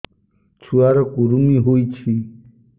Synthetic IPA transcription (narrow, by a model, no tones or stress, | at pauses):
t͡ʃʰuaɾɔkuɾumiɦojt͡ʃʰi